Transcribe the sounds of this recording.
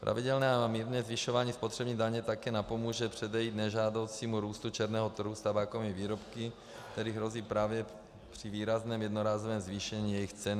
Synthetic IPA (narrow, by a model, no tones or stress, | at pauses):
pɾʔa̰vɪdɛlnɛːaamiːɾnɛːzvɪʃovaːɲiːspot̪r̥ɛbɲiːdaɲɛt̪akɛːnapo̞muːʒɛpr̝̥ɛdɛjiːt̪nɛʒaːdo̞wt͡siːmuɾuːst̪ut͡ʃɛɾnɛːɦot̪rɾ̩ɦust̪abaːkovmiviːɾopkɪ | k̚t̪ɛɾiːɦɾo̞ziːpɾaːvjɛ | pr̝̥iviːɾaznɛːmjɛdnoɾaːzovɛːmzviːʃɛɲiːjɛjɪxt͡sɛn